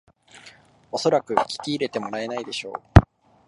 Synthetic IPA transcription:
o̞so̞ɾakɯ̟kʲi̥kʲiːɾe̞t̪e̞mo̞ɾae̞naid̪e̞ɕo̞ː

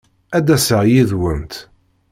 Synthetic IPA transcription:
æd̪æsəʁjiðwənt̪

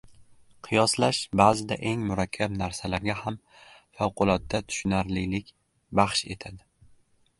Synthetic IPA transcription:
qʰɨjɒslaʃbaːzɪd̪aʔe̞ŋmʊɾakʲʰːabnaɾsalaɾɡʲaham | fawqʰʊlˠɒt̪̚ːat̪ʰʊ̥ʃʊnaɾlɪlɪkʲ | baχʃe̞̰t̪ʰad̪ɪ

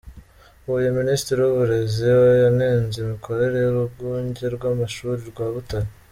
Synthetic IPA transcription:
uujeministiɾiwuβuɾe̞ziwojaneːnzemikʰo̞ɾe̞ɾe̞juɾuɡuːɲɟe̞ɾɡwaːmaʃuːɾiɾɡwaːβutaɾi

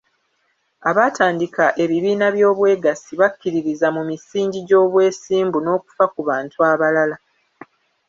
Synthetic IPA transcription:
aβaːtʰaːndikaʔe̞βiβiːnaβjo̞ːβwe̞ːɡasiβakːiɾiɾizamumisiːɲɟiɟo̞ːβwe̞ːsiːmbuno̞ːku̥fakuβaːntuaβalala

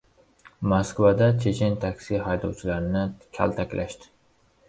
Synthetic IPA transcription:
moskvad̪at͡ʃʰet͡ʃʰɪnʲt̪ʰakʲsiɦɑjd̪ɑwt͡ʃʰilaɾnɪkʲʰæ̰lt̪ʰækʲlʔæʃt̪ɪ̥

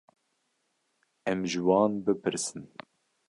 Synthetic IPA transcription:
ɛmʒɨwɑːnbɨpʰɨɾsɨn

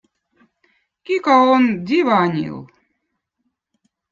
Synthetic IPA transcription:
kʲikaond̪ʲivanʲḭlˠ

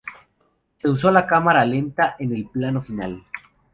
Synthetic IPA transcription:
se̞us̬o̞lakamaɾale̞nt̪aʔene̞lplano̞final

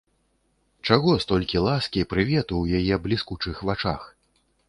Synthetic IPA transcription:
t͡ʂaɣɔst̪ɔlʲkʲilˠaskʲipɾɨvʲɛt̪uwjajɛblʲiskut͡ʂɨxvat͡ʂax

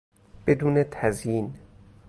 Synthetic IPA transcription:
b̥ed̪uːnet̪ʰæzjin

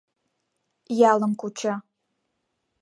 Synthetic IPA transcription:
jɑləmkut͡ʃɑ

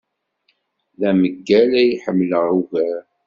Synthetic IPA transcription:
læməɡːælæjħəmːləʁuvæɾ

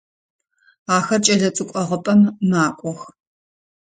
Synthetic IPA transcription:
aːxɐrt͡ʃʼɐɮɐt͡sʼɨkʷʼɔʁəpʼɐmːaːkʷʼɔx

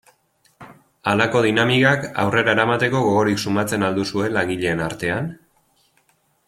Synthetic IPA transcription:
alako̞ð̞inamikaka̰wre̞ɾaeɾamat̪e̞ko̞ɣo̞ɣo̞ɾiksumat͡se̞nald̪usue̞laŋɡiʎe̞ːnaɾt̪e̞an

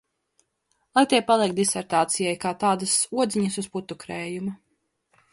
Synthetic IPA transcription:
lˠajt̪iɛpalˠiɛk̚t̪̚d̪isɛɾt̪aːt̪sijɛjkaːt̪aːd̪ɐsuɔd̪ziɲɐsusput̪ːukɾɛːjumu

